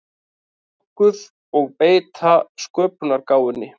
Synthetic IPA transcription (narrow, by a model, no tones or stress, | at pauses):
ɔ | kʏð | ɔɣpeːjt̪ʰaskœːpʏnaɾkaːwʏnːɪ